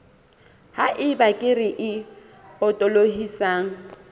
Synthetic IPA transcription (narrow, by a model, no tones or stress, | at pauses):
haʔɪbakʼɪrɪʔɪ | ɔtʼɔloɦisaːŋ̩